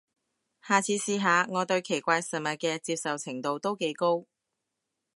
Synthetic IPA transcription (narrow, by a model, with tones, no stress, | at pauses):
haː˨˩t͡sʰiː˨˧˥siː˧ɦaː˨˧ŋɔː˨˧t̪ɵ˧ɥkʰe˨˩jkʷaː˧jsɐ˨˩nmɐ˨t̚kɛː˧t͡siː˧p̚sɐ˨wt͡sʰɪ˨˩ŋt̪o˨wt̪o˥wke˨˥jko˥w